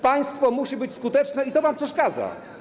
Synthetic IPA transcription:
paj̃st̪fɔmuɕibɘt͡ɕskut̪ɛt͡ʂnɛit̪ɔvampʂɛʂkad̪za̰

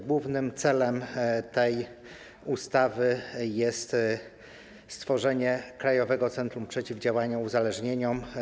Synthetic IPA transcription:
ɡwuvnɘmt̪sɛlɛmt̪ɛj | ust̪avɘjɛst̪ | st̪fɔʐɛɲɛkɾajɔvɛɡɔt̪sɛnt̪ɾumpʂɛt͡ɕivd͡ʑawaɲauzalɛʐɲeɲɔm

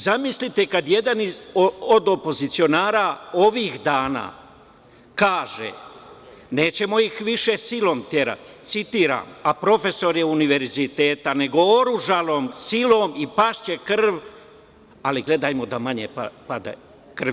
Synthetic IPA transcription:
zamislit̪e̞kad̪je̞d̪aniood̪o̞po̞zit̪sio̞naːɾao̞ʋiːxd̪aːna̰ː | kaːʒḛ | ne̞ːt͡ɕe̞mo̞ixʋiʃe̞silo̞ːmt̪je̞ɾa̰t̪i̥t̪sit̪iːɾa̰ːmapɾo̞fe̞so̞ɾjeuniʋe̞ɾzit̪e̞ːt̪ane̞ɡo̞oɾuʒalo̞ːmsilo̞ːmipaʃt͡ɕe̞kr̩ʋ | aliɡle̞d̪ajmo̞d̪amaɲepapad̪ḛ | kr̩ʋ

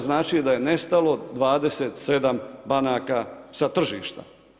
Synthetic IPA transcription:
znaːt͡ʃid̪aje̞nest̪alo̞d̪ʋaːd̪e̞seːt̪se̞d̪ambanaːkasat̪r̩ʒḭːʃt̪a̰

